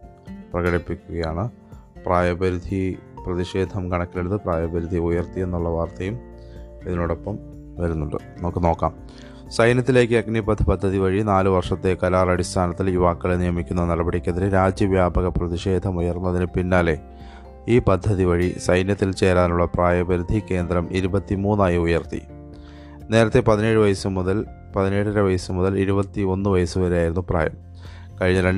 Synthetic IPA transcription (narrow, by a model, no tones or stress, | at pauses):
prɐɣɐɽipːikʲːuɣɐjaːɳɨ | praːjɐbɐɾud̪ʱiprɐðiʂe̞ːd̪ʱɐmkɐɳɐkːileɽut̪ːɨpraːjɐbɐɾud̪ʱiujɐrt̪ije̞nːuɭːɐʋaːrt̪ɐjum | iðinoːɽo̞pːɐm | ʋɐɾunːuɳɖɐ̰ | noːkːɨno̞ːkːaːm | sɐjnjɐt̪ːile̞ːkʲːɨɐɡnipɐd̪ʰʱːɨpɐd̪ʱːɐðiʋɐɻinaːlɨʋɐrʂɐt̪ːe̞kɐlaːrɐɽist̪ʰaːnɐt̪ːiljuʋaːkːɐɭnijɐmikʲːunːɐnɐɽɐbɐɽikʲːɐðiɾɨɾaːd͡ʑjɐʋjaːbɐɣɐprɐðiʂe̞ːd̪ʱɐmujɐrnuɐðinɨpinːaːle̞ | iːpɐd̪ʱːɐðiʋɐɻisɐjnjɐt̪ːilt͡ɕe̞ːɾaːnuɭːɐpraːjɐbɐɾud̪ʱikːe̞ːnd̪ɾɐmiɾubɐt̪ːimuːnːaːjiujɐrt̪ḭ | ne̞ːɾɐt̪ːe̞pɐðine̞ːɻɨʋɐjɐsɐmːuðɐl | pɐðine̞ːɽɨɾeʋɐjɐsɐmːuðɐliɾubɐt̪ːio̞nːɨʋɐjɐsɨʋɐɾejaːjiɾunːupra̰ːjɐm | kɐɻiɲːɐlɐ